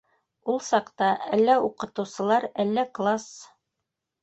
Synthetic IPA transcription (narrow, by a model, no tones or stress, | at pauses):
ulˠsɑqt̪ɑʔælːæuqɤ̆t̪ɤ̆wsɤ̆lˠɑɾælːæklˠas